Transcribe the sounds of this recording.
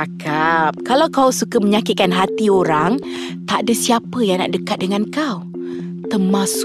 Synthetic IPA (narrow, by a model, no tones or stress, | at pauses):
akap̚kalawkawsukaməɲakit̪̚kanɦat̪ioɾaŋ | t̪aʔdasiapəjaŋna̰ʔdəkat̪̚dəŋankaw | t̪ərmãs